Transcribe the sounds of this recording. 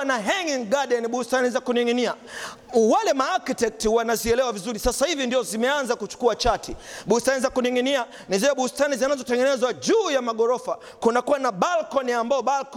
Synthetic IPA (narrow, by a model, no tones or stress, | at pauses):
naɦɛŋiŋɡaɗɛniɓustanizakuniŋinia | walɛmaːkitɛk̚tiwanaziɛlɛwavizuɾisasahivindiɔzimɛanzakut͡ʃu̥kuat͡ʃatiɓustanizakuniŋinia | niziwɛɓustanizinazɔtɛŋɡɛnɛzwaʄuːjamaɠɔɾɔfa | kunakuwanaɓalkɔniambaɔɓalk